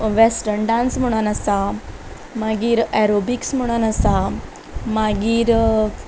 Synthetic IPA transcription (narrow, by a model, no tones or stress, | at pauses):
ʋesʈəɾnɖãnsm̤əɽ̃anasa | maɡiːɾɛɾobiksm̤əɽ̃anasa | maɡiːɾ